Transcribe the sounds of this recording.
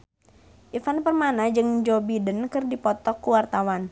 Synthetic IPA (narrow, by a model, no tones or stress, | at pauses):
ʔifanpərmanad͡ʒɨŋd͡ʒobidənkɨrdipɔt̪ɔkːuwart̪awan